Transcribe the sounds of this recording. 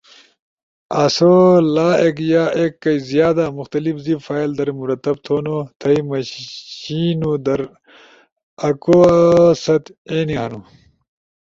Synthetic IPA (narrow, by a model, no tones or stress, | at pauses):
asolaːekjaːekːɐjizjaːd̪amuxt̪ɐlifzifaːild̪ɐɾmuɾɐt̪ːɐb̚t̪ʰoːnot̪ʰɐjmɐ | iːnud̪ɐɾ | ɐkosɐt̪eːniɦɐnu